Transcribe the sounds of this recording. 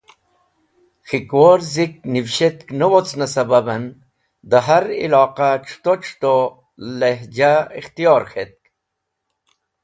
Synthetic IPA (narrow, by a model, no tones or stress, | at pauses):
xikwoɾzik̚nifɕet̪knəwot͡snasɐbabɐn | d̪əɦaɾḭlɑːqaʈ͡ʂʰu̥t̪oʈ͡ʂʰt̪o | leɦd͡ʑaixt̪ijɑːɾxʰet̪̚k